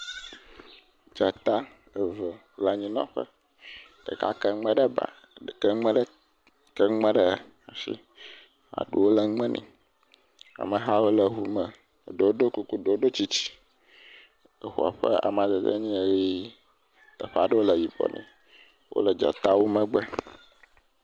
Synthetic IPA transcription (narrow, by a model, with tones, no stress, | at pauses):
d͡ʒa˨t̪a˦ | ə˨və˨˦la˦ɲĩ˦nã̰˦ɸə̰˦ | ɖ̥ə̰˨ka̰˦kə˦ŋ͡mə̃˦ɖə˦ba̰˨ | ə˨kə˦ŋ͡mə̃˦ɖ | kə˦ŋ͡mɛ̃˦ɖə˦˨ | a˨ʃḭ˦ | a̰˨ɖu˨wo˦lə˦˨ŋ͡mɛ̃˦nʔḭ̃˨ | a̰˨mə˨ɦa˦wo˦lə˨ɦu˦mə˨ | ɖo˨wo˦ɖo˦ku˦ku˦ɖo˨o˦ɖo˦t͡ɕi˦t͡ɕi̥˦ | ə˨xu˨a̰˨ɸə̰˦a̰˨m˨ã˨d̪ə˨d̪ə̰˦ɲĩ˦e˨ji˦ | t̪ə˨ɸa˨ɖə˦wo˦lə˨vi˨bɔ̰˨nḭ̃˨ | wʔo̰˦lə˨d͡ʒa̰˨t̪a˦wo˦mə̃˦ɡ͡bɛ˦